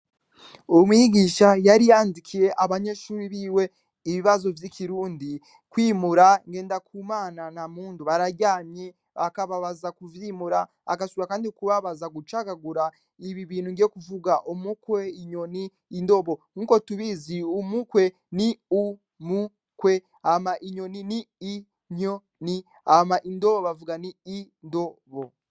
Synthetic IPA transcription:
umwjiɡiːʃajaɾijaːndikʰije̞ʔaβaɲe̞ʃuːɾiβiːwe̞ | iβiβazo̞vjikʰiɾuːndi | kwiːmuɾaŋɡe̞ːndakʰuːmaːnanamuːnduβaɾaɾɟaːɲɲe | βa̰kaβaβazakuvjimuɾa̰ː | kasuɾakaːndikuβaβazaɡut͡ʃaɡaɡuɾa | iβiβiːn̤uŋɡiekuvuɡaʔomukweiɲo̞niːndo̞βo̞ŋukotuβiziumukwe̞ | niu | mu | kwe̞ | amaʔiɲoniniː | ɲo | ni | amaʔindoβoβavuɡaniː | ndo̞βo

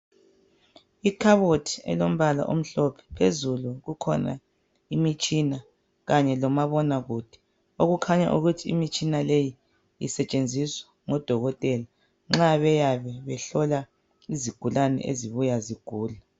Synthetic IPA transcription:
ikʰaβotʰi̥ɛ̰lom̩βala̰ʔom̩ɬɔpʰɛ̥pʰezuluɣukʰɔ̰na̰ | imit͡ʃʼina | ɣaɲɛlɔmaβɔnaɣud̥ʱi̥ | oɣukʰaɲa̰ʔuɣutʰiḭmit͡ʃʼinaleji | ḭsɛt͡ʃʼend͡zʱiswḁ | ŋɔd̥ʱɔɣɔtʼɛla | ŋ͡ǁaβɛjaβɛβɛɬɔla | iziɡ̥ʱulanɛ̰ʔḛziβujaziɡ̥ʱuːla

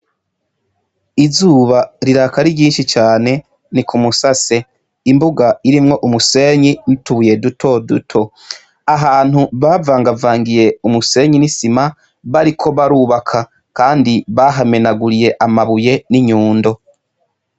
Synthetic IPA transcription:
izuːβaɾiɾakaɾiɾɟiːnʃit͡ʃaːne̞ | nikʰumusase̞ | imbuɡaiɾimŋo̞ʔumuse̞ːɲinituuje̞dutʰo̞dutʰo̞ | aɦaːn̥huβaːvaːŋɡavaːŋɡije̞umuse̞ɲinisima | βaɾikʰo̞βaɾuːβakʰa | kaːndiβaːɦame̞naɡuɾije̞ʔamaβuje̞niɲuːndo̞

